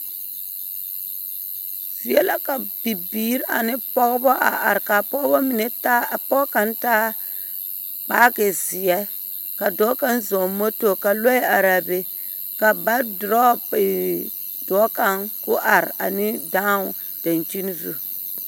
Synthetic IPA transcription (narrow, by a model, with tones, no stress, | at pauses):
si˨ɛ˦la˦ka˨bi˨biː˦ɾa̰˨nɪ˦pɔ˦ɣbɔ˦ʔa̰˨ʔa˨ɾka˨pɔ˦ɡbɔ˦mɪ˨nɛ˨ta˦˨pɔ˦ka˨ntaː˦ | k͡paː˦ɡe˨zɪ˨jɛ˦ | ka˨dɔː˨˦ka˦nzɔ˨mo˦to˨ka˨lo˦a˨ɾa˨be˨ | ka˨ba˦dɾɔ˦˨ɪ˨ | dɔ˨˦ka˨nkʊ˦ʔa˨ɾa̰˨nɪ˦da˦ | d̥a˨nt͡ʃi˦n˦zṵ˦